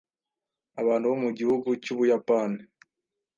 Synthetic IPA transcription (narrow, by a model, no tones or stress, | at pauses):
aβaːnduβomuɟihuɡucuβujapani